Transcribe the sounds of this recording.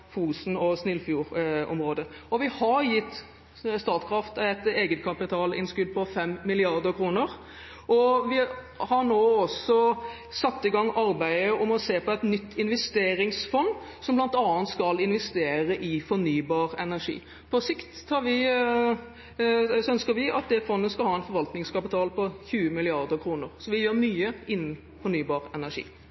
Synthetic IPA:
fuːsn̩ɔsnɪlfjuːɾɔ̰mʁoːd̪əɔʋɪhɑɾjɪt̪ː | st̪ɑɾt̪kʰʁɑft̪ɛt̪eːɡət̪kʰɑpɪt̪ʰɑːlɪ̰nskʉlpʰɔfɛmːɪlɪɑɾd̪əɾkʰɾuːnəɾ | ʔɔʋɪ | hɑɾnoːɔsɔ | sɑt̪ːɪɡɑŋːɑɾbæɪəɔmɔseːpɔɛt̪nʏt̪ʰːɪnʋɛst̪eːɾɪŋsfɔnsɔmblɑnt̪ɑːnt̪skɑlɪnʋɛst̪eːɾəʔɪfɔɾnyːbɑːɾɛnæʂḭː | pʰɔsɪkt̪hɑɾʋɪ | sœnskəɾʋɪɑt̪̚d̪ɛfɔnːəskɑlhɑːɛnfɔɾʋɑlt̪nɪŋskɑpɪt̪ʰɑːlpɔçʉːəmɪlɪɑɾd̪əɾkʰɾuːnəɾsɔʋɪjøːɾmyːəɪnːn̩ | fɔɳyːbɑːɾɛnæʂḭː

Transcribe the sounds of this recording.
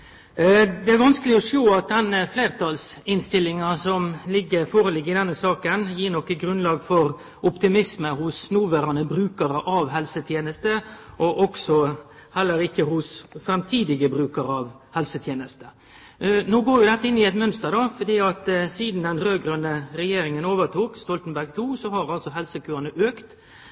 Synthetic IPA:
d̪ɛæɾʋɑnskəlɪɔʂoːɑt̪̚d̪ɛnəfleːʁt̪ʰɑlsɪnst̪ɪlːɪŋɑsɔmlɪɡːəɾfoːɾəlɪɡːɪd̪ɛnːəsɑːkənjiːɾnɔkːəɡɾʉnlɑːɡfɔɾ | ʔʊpt̪ɪmɪsməhʊsnuːʋæːɾɑnəbɾʉːkəɾəʔɑʋɦɛlsət̪ʰjeːnəst̪əʔɔʔɔksɔhɛlːəɾɪkːəhʊsfɾɛmt̪ʰiːd̪ɪɡəbɾʉːkəɾəɑʋ | hɛlsət̪ʰjeːnəst̪ə̥ | noːɡoːɾjʊd̪ɛt̪ːəɪnːɪɛt̪mœnst̪əɾd̪ɑfɔd̪iːɑt̪siːd̪nd̪ɛnɾøːɡɾœnəɾɛjeːɾɪŋənoːʋəʁt̪ʰuːkst̪ɔlt̪nbæɾɡt̪ʰuːsɔɦɑɾɑlsɔɦɛlsəkʉːʁənəʔøːkt̪

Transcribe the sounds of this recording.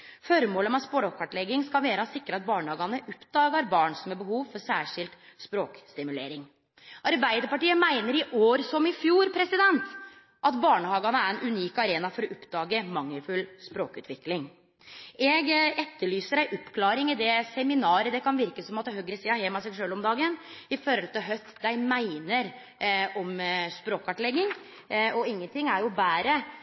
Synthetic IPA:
fɔɾmoːləmɛspoːɽɔkʰɑʈlɛɡːɪŋskɑlʋeːɾəɔsɪkːɾəɑt̪̚bɑːɳəhɑːɡɑnəʔʊpd̪ɑːɡɑɾbɑːɳsɔmɛbəhuːʋfɔɾsæːʂɪlt̪spɾoːkst̪ɪmʉlḛːɾɪŋ | ʔɑɾbæɪd̪əpɑʈiːəmæɪnəɾɪʔoːɾsɔmɪfjuːɾpʰɾɛsɪd̪ɛnt̪ | ʔɑt̪bɑːɳəhɑːɡɑnəæɾɛnʔʉniːkɑɾeːnɑfɔɾɔʔʊpːd̪ɑːɡəmɑŋːəfʉlspɾoːkʉ̰ːt̪ʰʋɪklɪŋ | ɛɡɛt̪ːəɭyːsəɖæɪʔɔpːkʰlɑːɾɪŋɪd̪ɛsɛmɪnɑːɾəd̪ɛkɑnʋɪɾkəsɔmɑt̪ːɦœɡɾəsiːɑhɛmɑsɛɡʂøːlɔmd̪ɑːɡənɪfɔɾɔlt̪ɪɦœθd̪æɪmæɪnəɾ | ɔmspɾoːkɑʈlɛɡːɪŋ | ɔɪŋːənt̪ʰɪŋæɾjʊbæːɾə

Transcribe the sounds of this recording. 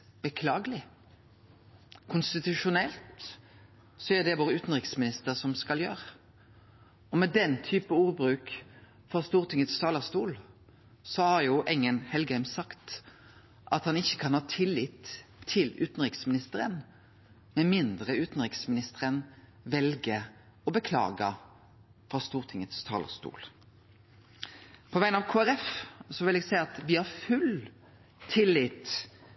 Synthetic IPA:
b̥əkʰlɑːɡəlɪ | kʰʊnst̪ɪt̪ʉʃʊnɛlt̪ | sɔæʁd̪ɛʋoːʁəʉːt̪n̩ʁɪksmɪnɪst̪əʁsɔmskɑljøːɾə | ɔmɛd̪ɛnt̪ʰyːpəuːʁbʁʉːk | fɔʁst̪uːʁt̪ʰɪŋət̪sɑːlɑst̪uːl | sɔhɑʁjʊʔɛŋːənhɛlɡhæɪmsɑkt̪ | ʔɑt̪hɑnɪçːəkʰɑnhɑːt̪ʰɪlːɪt̪ʰːɪlʉ̰ːt̪nʁɪksmɪnɪst̪əɾən | mɛmɪnd̪ʁəʉːt̪n̩ɾɪksmɪnɪst̪əɾən | ʋɛlɡə | ɔbəkʰlɑ̰ːɡə | fɾɑst̪uːʁt̪ʰɪŋːət̪st̪ʰɑ̰ːlə̰st̪ṵːl | pʰɔʋæɪnɑʋkʰoːæɾɛfsɔʋɪlɛɡsæɪɑt̪ʋɪhɑɾfʉl | t̪ʰɪlːɪt̪

